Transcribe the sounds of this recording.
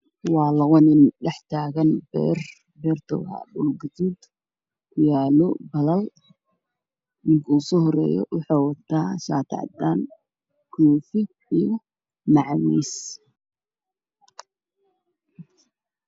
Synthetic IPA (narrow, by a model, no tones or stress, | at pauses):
wɑːlɐɣɔnɪnɖɛħt̪ʰaːɣɐnbɛ̰r | bɛrt̪ʰɔ̰wɐ̰bʊlɡɐd͡ʒuːd̪ | kʰʊjaːlɔbɐlɐl | nɪŋkʰɐuːsɔhɔrɛ̰ːjɔ̰wɑħɑːwɑt̪ʰaːʃa̰ːt̪ʰɑ̰ʕ̰d̪aːn | kʰuːfɪ | ijɔ | mɑʕwḭːs